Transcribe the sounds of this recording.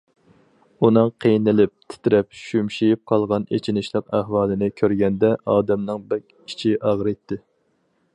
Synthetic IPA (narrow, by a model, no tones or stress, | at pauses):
unɨŋqʰejnɪlɪp̚t̪ʰɪ̥t̪ʰɪɾɛp̚ʃymʃijip̚qʰɑlˠʁɑnḛt͡ʃʰinɪʃlˠɨqæhwɑːlˠɨnɪkʲʰøɾɡʲɛnd̪ɛʔɑːd̪ɛmnɨŋbɛɾkʲʰ | i̥t͡ʃʰiʔɑʁɾɨt̪ʰːɪ